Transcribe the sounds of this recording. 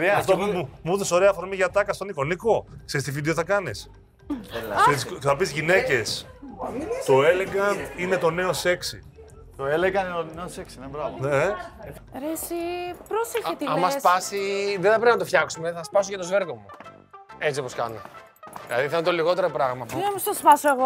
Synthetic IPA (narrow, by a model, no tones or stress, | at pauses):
ɾift̪omumuðeso̞ɾe̞ɐfoɾmiʝɐt̪ɐkɐst̪o̞niko̞nikokseist̪ivid̪eoθɐkɐnis | sesθɐpizʝine̞ce̞s | t̪o̞eleɣɐnine̞t̪o̞ne̞ose̞ksḭ | t̪oeleɣɐnoneoseksinebɾɐvoe | ɾesipɾoseçet̪iɐmɐspɐsiðeθɐpɾepinɐt̪ofçɐksumeθɐspɐsocɐt̪o̞zveɾɣomu | et͡siopo̞skɐ̰no̰ | ðilɐ̰ðiθɐnot̪oliɣo̞t̪eɾopɾɐɣmɐɐmsɐspɐsoeɣo